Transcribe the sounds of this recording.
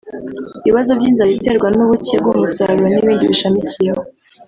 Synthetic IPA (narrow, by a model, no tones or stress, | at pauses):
iβiβazo̞vɟiːnzaβite̞ɾɡwanuβucebɡumusaɾɾeniβiːndiβiʃamicijeho